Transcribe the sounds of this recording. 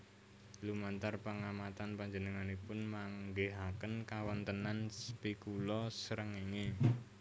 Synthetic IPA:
lumant̪arpəŋamat̪anpaɲd͡ʒənəŋanepʊnmaŋɡeɦakənkawɔnt̪ənanspikulɔsəɾəŋeŋe

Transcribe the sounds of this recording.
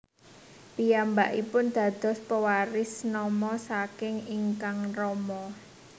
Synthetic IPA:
pijambaʔipʊnd̪̥ä̤d̪̥ɔ̤spəwaɾɪsnɔmɔsakɪŋiŋkaŋrɔmɔ

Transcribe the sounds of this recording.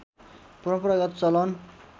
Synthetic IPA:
purʌprʌɡʌt̪t͡sʌlʌn

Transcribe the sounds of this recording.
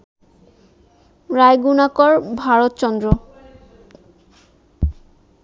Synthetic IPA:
ɾajɡunakɔɾbʱaɾot̪t͡ɕɔnd̪ɾo

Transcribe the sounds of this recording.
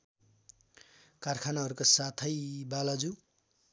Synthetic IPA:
karkʰanaɦʌɾukosat̪ʰʌjbalad͡zu

